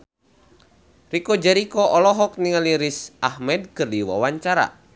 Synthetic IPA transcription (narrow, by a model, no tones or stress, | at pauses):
rikɔd͡ʒaɾikɔʔɔlɔɦɔk̚niŋaliɾisʔahmɛd̚kɨrdiwa̰waɲt͡ʃaɾa̰